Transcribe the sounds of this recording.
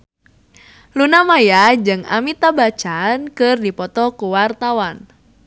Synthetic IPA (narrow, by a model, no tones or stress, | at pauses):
lunamajad͡ʒɨŋa̰mit̪abat͡ʃankɨrdipɔt̪ɔkuwart̪awan